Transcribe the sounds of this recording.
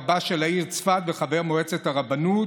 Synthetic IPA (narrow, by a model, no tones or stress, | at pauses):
baʃe̞laiʁt͡sfat̪beχave̞ʁmoet͡set̪aʁabanut